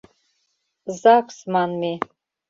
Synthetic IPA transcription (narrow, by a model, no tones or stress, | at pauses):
zakʷʰʼsmanmi